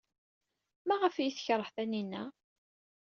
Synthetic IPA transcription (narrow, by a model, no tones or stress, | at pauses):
mæʁəfjiθçɾˤːəħθæninːæ̰